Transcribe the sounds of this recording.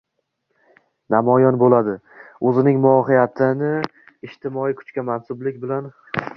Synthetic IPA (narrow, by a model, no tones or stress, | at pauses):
namɒjɒnbolad̪ɪ | ɵzɪnɪŋmʊɒɦɪjat̪ʰɪnɪ | ɪʃt̪ʰɪmɒikʰʊ̥t͡ʃkʲamansʊblɪkʲbɪlan